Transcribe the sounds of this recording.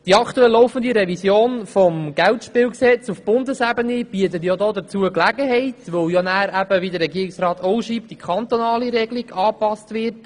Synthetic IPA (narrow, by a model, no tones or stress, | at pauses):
d̥iɑkʰtuɛlːɔʊfənd̪iɾɛvisjoːnfɔmɡ̥æltʃpɪːwksɛt͡sufb̥ʊndəsæbənib̥iət̪ət̬jodoːd̪ət͡suəklæɡəɦɛɪtʋøwjonæːɾæb̥əʋidəɾɛɡiəɾɪksrɑːt̪ʰowʃiːptd̥ikʰχɑnt̪onɑːliɾɛɡliɡɑːpɑstvɪɾt